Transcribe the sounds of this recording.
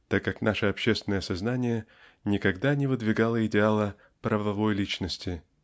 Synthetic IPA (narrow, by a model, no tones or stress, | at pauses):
t̪akːaknaʂəɐpɕːest̪vʲɪnəjɐsɐznanʲɪjə | nʲɪkɐɡd̪anʲɪvɨd̪vʲɪɡalˠəɪdʲɪalˠə | pɾəvɐvo̞jlʲit͡ɕnəsʲtʲɪ